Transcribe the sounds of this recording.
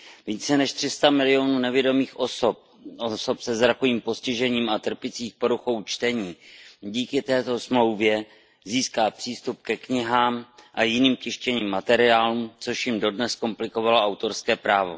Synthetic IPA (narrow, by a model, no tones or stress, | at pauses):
viːt͡sɛnɛʃt̪r̝̥ɪst̪amɪlɪo̞nuːnɛvjɪdo̞miːxʔosp̚ | oso̞psɛzɾakoviːmpo̞scɪʒɛɲiːmat̪r̩pɪt͡siːxpo̞ɾuxo̞wt͡ʃt̪ɛɲiːɟiːkɪt̪ɛːt̪o̞smlo̞wvjɛ | ziːskaːpr̥iːst̪up̚kɛkɲɪɦaːmʔajɪniːmcɪʃcɛɲiːmːat̪ɛɾɪaːluːmt͡so̞ʃjɪmdo̞dnɛsko̞mplɪko̞valoʔawt̪o̞ɾskɛːpɾaːvo̞̰